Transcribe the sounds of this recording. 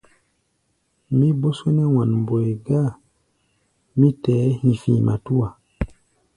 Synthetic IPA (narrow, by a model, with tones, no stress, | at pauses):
mi˦bo˦swe˦nɛ˦wa˨nm˨bo˨e˨ɡa˦˨ | mi˦tɛː˨˦hĩ˨fĩː˨mʔa̰˨tu˦wa˨